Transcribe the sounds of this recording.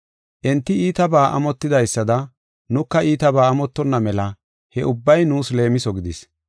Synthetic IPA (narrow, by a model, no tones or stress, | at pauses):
ʔɛnt̪ːɪiːt̪ɐbaːʔɐ̰mɔt̪ːɪd̪ɐjsːɐd̪ɐ | nʊkːɐiːt̪ɐbaːmɔt̪ːɔnːɐmɛlɐ | hɛʔʊbːɐjnuːsle̞ːmɪsɔɡɪd̪ɪs